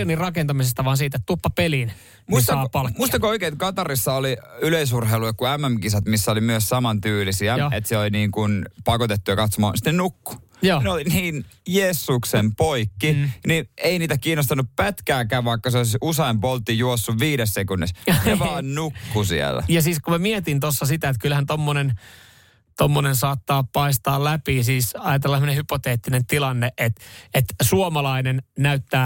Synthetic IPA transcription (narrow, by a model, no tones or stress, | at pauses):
enirrɑkent̪ɑmisest̪ɑʋɑːnsiːt̪et̪t̪upːɑpelin | muist̪ɑɑlmuist̪ɑkooikeːt̪kɑt̪ɑrisːɑoliyleisurheiluekkuæmːæmkisɑt̪misːæolimyøssɑmɑnt̪yːlisiæet̪seoliniːŋkunpɑkot̪et̪ːujɑkɑt̪somɑ̰ːnsi̥t̪ːenukːu̥ | joːinoliniːnjeːsːuksempoikːinieˑiniːt̪ækiːnost̪ɑnːuppæt̪kæːkæːʋʋɑikːɑseoˑisuseimpolt̪ːijuosːuʋʋiːɾessekunːisɑʋɑːnnukkːusḭæ̰lːæ̰jɑsiːskumæmiet̪int̪osːɑsit̪æet̪̚kylhænt̪omːonen | t̪omːonensɑːt̪ːɑːppɑist̪ɑːllæpisiːsɑjɑt̪elːɑsemːonehypot̪eːt̪ːinent̪ilɑnːeʔet̪et̪suomɑlɑinennæyt̪ːæː